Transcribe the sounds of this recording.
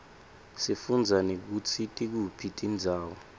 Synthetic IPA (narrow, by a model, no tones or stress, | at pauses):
sifund͡zʱanek̬ut͡sʰitʼik̬upʰitʼind͡zʱaːwɔ